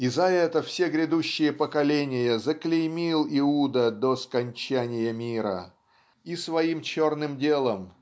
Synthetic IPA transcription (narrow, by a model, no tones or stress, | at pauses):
izɐɛt̪əfsʲeɡɾʲɪd̪uɕːɪjəpəkɐlʲenʲɪjəzəklʲɪjmʲilˠɪud̪əd̪oskɐnʲt͡ɕænʲɪjəmʲiɾə̰ | isvɐimt͡ɕornɨmdʲelˠəm